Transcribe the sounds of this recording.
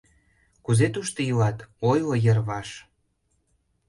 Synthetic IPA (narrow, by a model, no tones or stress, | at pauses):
kuzet̪uʃt̪əjulɑt̪ojlojə̆rβɑʃ